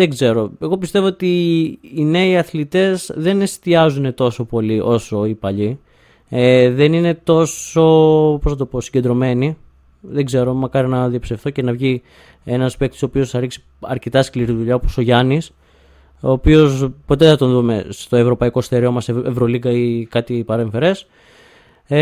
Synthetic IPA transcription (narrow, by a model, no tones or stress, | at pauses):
ðeɡze̞ɾo̞e̞ɣo̞pist̪e̞vo̞ot̪iː | ne̞iɐθlit̪e̞zðe̞ne̞st̪iɐzune̞t̪o̞so̞po̞liʔo̞so̞ipɐʎi | eðe̞nine̞t̪o̞so̞poznɐt̪o̞po̞siɲɟend̪ɾo̞me̞ni | ðe̞ɡze̞ɾo̞mɐkɐɾinɐðiɐpi̥sefθoce̞nɐvʝi | e̞nɐsspek̚t̪o̥soːpiosθɐɾiksi̥ | ɐ̰ɾcet̪ɐskliɾiðuʎɐoposo̞ʝɐnis | o̞ːpio̞spo̞t̪eθɐt̪o̞nðume̞̰st̪o̞e̞vɾo̞pɐiko̞st̪eɾio̞mɐseevɾoliɡɐikɐt̪ipɐɾeɱfe̞ɾe̞s